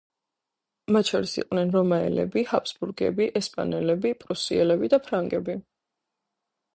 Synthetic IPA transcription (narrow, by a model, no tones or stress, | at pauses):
mat̪ʃʰɔɾisḭqʼvnɛnɾɔmaɛ̰lɛ̰bihapʰsbuɾɡɛ̰biʔɛspʼa̰nɛlɛbipʼɾusiɛlɛbid̪apʰɾaŋɡɛbi